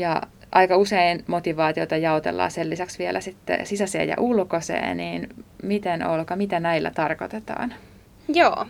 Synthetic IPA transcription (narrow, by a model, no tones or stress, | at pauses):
jɑ | ʔɑikɑuseinmot̪iʋɑːt̪iot̪ɑjɑot̪ḛlːɑ̰ːselːisæksʋielʔæsit̪ːḛsisæsḛːjɑ̰ʔulkosḛːniːnmit̪enolkɑmit̪ænæilːæ̰t̪ɑrkot̪et̪ɑ̰ːn | joː